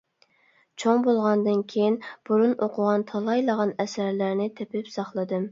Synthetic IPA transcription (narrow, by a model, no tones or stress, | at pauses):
t͡ʃʰoŋbolˠʁɑnd̪ɨnkʲʰejinb̥uɾunoqʰʊʁɑnt̪ʰɑlˠɑjlˠəʁɑnɛsæɾlæɾnɪt̪ʰepɪpsɑχlˠɨd̪ɨm